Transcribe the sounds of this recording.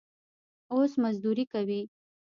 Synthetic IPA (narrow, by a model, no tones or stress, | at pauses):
osmazd̪uɾikawi